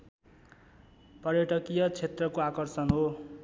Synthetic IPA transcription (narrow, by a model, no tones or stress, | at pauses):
pʌrjʌʈʌkijʌt͡sʰet̪rʌkoakʌrsʌnɦo